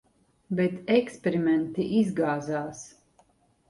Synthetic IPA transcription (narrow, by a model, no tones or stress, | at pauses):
bɛt̪ɛkspʲeɾimɛnt̪iʔizɡaːzaːs